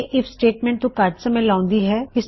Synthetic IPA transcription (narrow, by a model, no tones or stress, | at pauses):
ʔɪfsʈeːʈmɛ̃ːɳʈ̚t̪okaːɾʈsɐmẽlãːʊ̃nd̪iɦɛɪs